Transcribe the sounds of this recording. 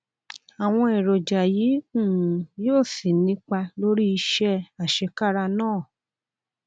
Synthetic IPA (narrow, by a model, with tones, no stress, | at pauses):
a˨w̃ɔ̃˧ɛ˨ɾo˨d͡ʒa˨jĩ˨˦˨ | jo˦˨si˨nĩ˨˦k͡pa˧lo˦ɾi˦i˧ʃɛ˧a˨ʃɛ˧ka˦ɾa˧nãː˦˨